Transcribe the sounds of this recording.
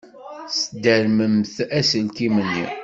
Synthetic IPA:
səd̪əɾməmθæsənkimənːḭ

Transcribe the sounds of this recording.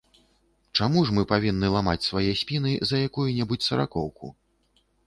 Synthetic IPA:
t͡ʂamuʂmɨpavʲinːɨlˠamat͡sʲsvajɛsʲpʲinɨzɐjakujunʲɛbut͡sʲsɐɾa̰kɔwkṵ

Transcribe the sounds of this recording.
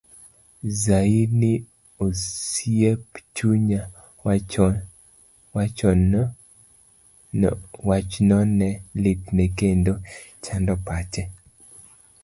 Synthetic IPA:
zainɪ | osjept͡ʃuɲa | wa | wat͡ʃɔn | wat͡ʃnɔnɛliknekendo | t͡ʃandɔpat͡ʃɛ

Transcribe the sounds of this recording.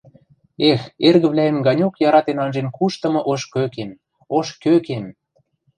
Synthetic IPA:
exerɣə̆βlʲæemɡɑnʲokjɑɾɑt̪enɑnʒenkuʃt̪ɤ̆mɤ̆ʔoʃkøkem | oʃkøkem

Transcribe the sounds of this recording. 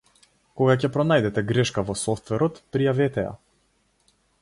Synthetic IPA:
kɔɡacɛpɾɔnajd̪ɛt̪ɛɡɾɛʃkavɔsɔft̪vɛɾɔt̪pɾijavɛt̪ɛja̰

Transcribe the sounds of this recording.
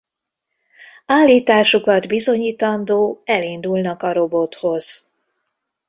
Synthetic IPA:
aːlːiːt̪aːʃukɒd̪bizo̞ɲiːt̪ɒnd̪oːɛlind̪ulnɒkɒɾo̞bo̞t̪ho̞z̥

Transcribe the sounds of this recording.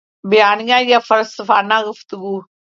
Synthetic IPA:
bɪjaːnɪjãːjafəɾsəfaːnãːɡʊft̪əɡuː

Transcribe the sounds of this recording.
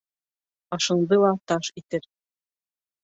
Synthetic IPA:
ɑʃɤ̆ɴd̪ɤlˠɑt̪ɑʃit̪ɘɾ

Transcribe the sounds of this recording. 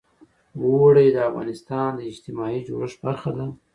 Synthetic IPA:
wowɽed̪əavɣɑ̰nɪst̪ɑnd̪əɪd͡ʒt̪ɪmɑid͡ʒo̰ɽəʂbaɾxad̪a

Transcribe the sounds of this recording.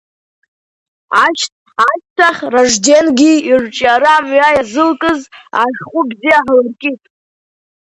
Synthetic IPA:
aʃt | aʃtʰaχʲraʐde̞nɡʲiirt͡ʃʼaɾaːmɥajazɨlkʼɨza̰ʐχʷʊbzijaħlɨrkʲʼitʼ

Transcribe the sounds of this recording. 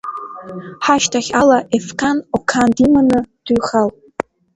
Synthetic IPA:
ħaʃtʰaχʲalaʔefkʰanokʰandimanɨd̥uɥχal

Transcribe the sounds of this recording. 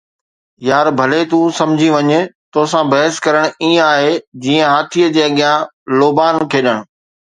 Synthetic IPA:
jaːɾbʱɐlet̪ũsɐ̃md͡ʑʱĩʋɐɲet̪oːsãbɐɦɪskɐɾəɽ̃ĩːaːɦed͡ʑiːə̃ɦaːt̪ʰijəd͡ʑeːɐɠɪjã | loːbaːnkʰeːɗəɽ̃̆

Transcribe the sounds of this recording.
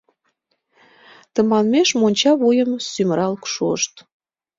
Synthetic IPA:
t̪ə̆mɑnmeʃmonʲt͡ɕɑβujəmsyməɾɑlkʃuʃt̪

